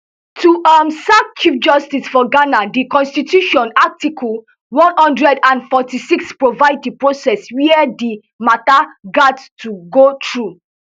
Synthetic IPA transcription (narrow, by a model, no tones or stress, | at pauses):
tʰuamsakt͡ʃifd͡ʒɔstisfɔɡanadikɔ̃nstitjuʃɔ̃natikʰɔl | wɔ̃nhɔ̃ndɹɛdãnfɔtisikspɹovaɪddipɹosɛswiɛdi | mataɡadstʰuɡotʰɹu